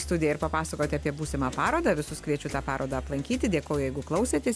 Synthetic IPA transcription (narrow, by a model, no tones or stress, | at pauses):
st̪ʊd̪ʲɪjɛɪɾpɐpɑːsɐkoːt̪ʲɪɐːpʲiɛbuːsʲɪmɑːpɑːɾoːd̪ɑːʋʲɪsʊskʋʲiɛt͡ʃʲʊt̪ɑːpɑːɾoːd̪ɑɐplˠɐŋʲkʲiːt̪ʲɪd̪ʲeɛkoːjʊjɛɪɡʊklˠɐʊsʲeːt̪ʲeɛ